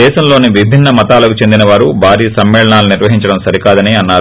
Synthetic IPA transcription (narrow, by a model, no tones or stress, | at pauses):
ɛːʃɐmlo̞ːniʋibʱinːɐmɐt̪aːlɐkut͡ʃe̞nd̪inɐʋaːɾubʱaːɾiːɐsɐmːɛːɭɐɳaːluniɾʋɐɦiɲt͡ʃɐɽɐmsɐɾikaːd̪ɐniɐnːaː